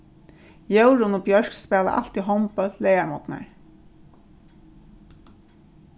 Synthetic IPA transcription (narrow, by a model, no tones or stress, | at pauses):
jœwɹʊnʊbjœɹkspɛːla̰ʔa̰l̥t̪iɦɔwmpœlɛjaɹmɔt̪na̰ɹ